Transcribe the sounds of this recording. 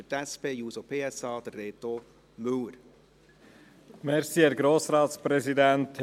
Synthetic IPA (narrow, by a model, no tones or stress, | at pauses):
ətɛspeːjuːsopʰeːɛsɑːd̪ərːeːt̪o | møwɾ | mɛɾsiːhɛːɾɡɾoːsɾɑːt̪spɾɛzid̪ɛnt